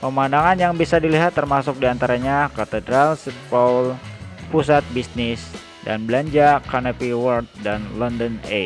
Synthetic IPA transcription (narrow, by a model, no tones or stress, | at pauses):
pəmandaŋanjaŋbisadiliɦat̪ːərmasʊk̚diant̪aɾaɲakat̪ədɾalsit̪̚palpusat̪̚bisnɪs | da̰nbəlaɲd͡ʒakanapiwɔrt̪̚danlɔndəne